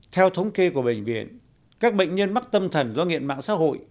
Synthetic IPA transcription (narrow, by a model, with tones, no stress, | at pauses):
t̪ʰɛ˧wt̪ʰə˨˦wŋ͡mke˧ku˧˩əɓe˧˨˩ŋ̟vḭ˧˨ən | kaː˦˥k̚ɓə̰˧˨jŋ̟ɲə˧nma˦˥k̚t̪ə˧mt̪ʰə˨˩nzaː˧nŋḭ˧˨ənma̰ː˧˨ŋsa̰ː˧˥ɦo̰˧˨j